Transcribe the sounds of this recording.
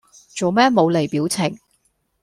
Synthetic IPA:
t͡ʃo˨wmɛː˥mo˨˧wle˨˩jpiː˨˥wt͡sʰɪ˨˩ŋ

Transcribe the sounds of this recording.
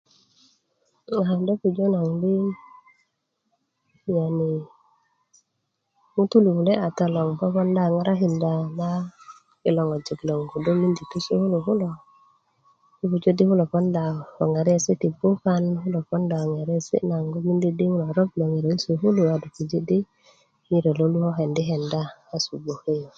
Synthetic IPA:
ŋa˨a˨mdo˦fu˨d͡ʒo˦na˨ŋdi˦ | ɲa˨ni˨ | mu˦tu˦lu˨hu˨le˦a˨ta˨lo˨ŋfo˦fɔ˦nda˨ŋa˦ɾa˦ɦi˨nda˨na˦ | i˨lo˨ŋo˨d͡ʒo˨ɡlo˨ŋɡu˨do˦mi˦ndi˨tu˦su˦hu˦lo˨ɦu˦lo˨ | u˦pu˨d͡ʒo˦di˦hu˦lo˨fɔ˦nda˨ho˨ŋa˨ɾi˦e˦˨si˦ti˨bu˦ka˦nhu˦lo˨fɔ˦nda˨o˨ŋa˨ɾi˦e˦˨sḭ˦na˨ŋɡo˦mi˦ndi˦di˦hu˦lo˨ɾo˦b̚lo˨ŋi˨ɾe˨i˦su˨ɦu˦lu˨a˨du˨ku˨d͡ʒi˦di˦ | ŋi˦ɾe˨lo˦lu˦ho˦ɦe˨ndi˦ɦe˨ndaː˦su˨bo˨he˦jo˨

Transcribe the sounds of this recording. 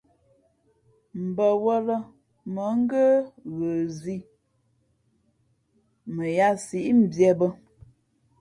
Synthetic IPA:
m̩˨bə˨wə˦lə˦ | mə˨˦ŋ̩˦ɡə˦ɣə˨zi˦ | mə˨ja˦si˨ʔm̩˨bjɛ˦bə˦

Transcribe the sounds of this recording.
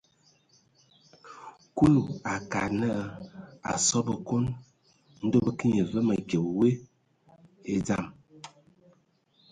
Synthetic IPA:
ku˦lu˨a˨ka˨nə˦˨a̰˨sɔ˦bə˨ko˦n | n̩˦do˦bə˦ki˦ɲə˨və˦mə˨ɡje˨we˦ | e˦d͡za˦˨m

